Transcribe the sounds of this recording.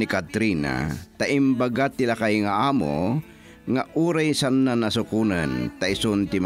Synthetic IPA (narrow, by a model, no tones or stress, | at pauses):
nɪkat̪ɾiːna̰t̪aʔɪmbaɡat̪ːɪlakajŋaʔaːmo̰ | ŋaʔuːɾajsanːanasʊkuːnant̪aɪsʊnt̪ɪm